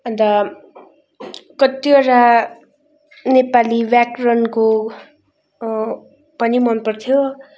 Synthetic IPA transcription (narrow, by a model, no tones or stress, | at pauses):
ʌnd̪ʌ | kʌt̪ːioɾa | nepalibjakrʌnko | pʌnimʌnpʌrt̪ʰjo